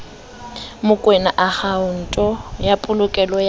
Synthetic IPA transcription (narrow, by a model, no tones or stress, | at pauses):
mʊkʼwenaʔaχaʊn̩tʼɔjapʼʊlʊkʼɛlɔj